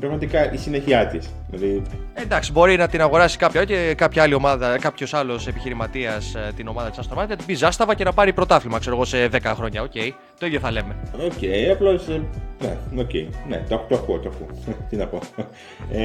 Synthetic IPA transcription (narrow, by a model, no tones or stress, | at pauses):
pɾɐɣmɐt̪ikɐʔisineçiɐt̪isðilɐði | e̞nd̪ɐksibo̞ɾinɐt̪inɐɣo̞ɾɐsi̥kɐpçɐcekɐpçɐɐlio̞mɐðɐkɐpço̞sɐlo̞se̞piçiɾimɐt̪iɐst̪ino̞mɐðɐt̪i̥sɐst̪oɾmɐnɐt̪ibizɐst̪ɐvɐce̞nɐpɐɾipɾo̞t̪ɐflimɐkse̞ɾo̞ɣo̞se̞ðe̞kɐxɾo̞ɲɐo̞ce̞j | t̪o̞iðjo̞θɐle̞me̞oceiɐplo̞senḛocḛinḛt̪ɐt̪oɐkot̪oɐkut̪inɐpo̞